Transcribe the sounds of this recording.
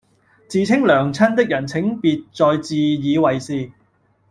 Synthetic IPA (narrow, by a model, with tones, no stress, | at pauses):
t͡siː˨˧t͡sʰɪ˥ŋlœː˨˩ŋt͡sʰɐ˥nt̪ɪ˥k̚jɐ˨˩nt͡sʰɪ˨˥ŋpiː˨t̚t͡sɔː˧jt͡siː˧jiː˨˧wɐ˨jsiː˨˧